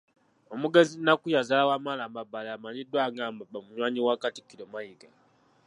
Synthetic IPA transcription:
omuɡe̞zinakujazalawamalamabaleamaɲidːwaːɡaːmbabamuɲwaːɲiwakati̥kiɾomajiɡa

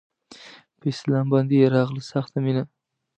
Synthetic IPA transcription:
pʰeslamband̪ijɾaʁlˠɪsaχt̪ʰamenɪ

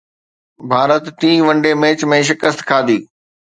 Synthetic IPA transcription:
bʱaːɾət̪ʈĩːʋɐ̃ɳɖemẽːt͡ɕmẽːʃ̬ɪkəst̪kʰaːd̪iː

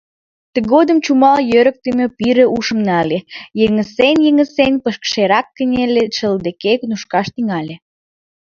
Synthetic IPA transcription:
t̪əɣod̪əmt͡ɕumɑljøɾək̚t̪əmʲepiɾĕʔuʃə̆mnɑlʲejəŋə̆senʲjə̆ŋə̆senʲpəʃkʃeɾɑkːənʲelʲeʃəld̪ekeknuʃkɑʃt̪iŋɑlʲe

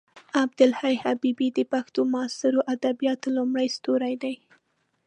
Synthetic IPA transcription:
abd̪ɪlhajhabibid̪əpaxt̪omɑsɪɾoʔad̪abijɑt̪lʊmɽəjst̪oɾajd̪aj

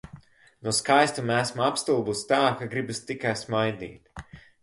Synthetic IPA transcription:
nuɔskajst̪umæsmapst̪ulˠbust̪aːkaɡɾibɨst̪ikajsmajd̪ḭːt̪

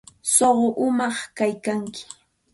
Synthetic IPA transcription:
soɢoʔʊmɑχkajkaŋkɪ̥

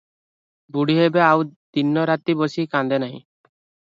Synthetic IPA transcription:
buɽiɦebeawd̪̥inːɔɾat̪ibɔsikãnd̪ɛnaɦḭ̃

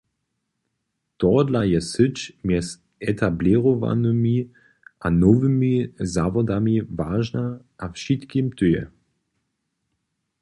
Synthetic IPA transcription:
t̪ɔdlajɛsɨt͡ʃmjɛs | ɛt̪ʰabliʁɔva̰nɨmi | ʔanɔvɨmizavɔd̪amivaːʒna | ʔafʃit̪kimt̪ɵjɛ̰

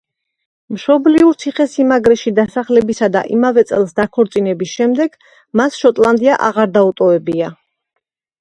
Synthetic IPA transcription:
mʃɔbliuɾt̪sʰiχɛsimaɡɾɛʃid̪asaχlɛbisad̪a̰ʔimavɛt̪sʼɛlˠsd̪akʰɔɾt̪sʼinɛbisʃɛmd̪ɛɡ̥ | masʃɔt̪ʼlˠand̪iaʔa̰ʁaɾd̪aut̪ʼɔvɛbia

